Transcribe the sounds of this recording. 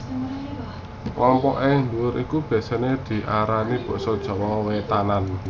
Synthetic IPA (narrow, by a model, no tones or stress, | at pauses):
wɔmpɔʔeŋluʊɾikub̥ɛ̤saned̪̥i̤ʔaɾanib̥ɔ̤ʔsɔd̥ʒ̥ɔ̤wɔwet̪anan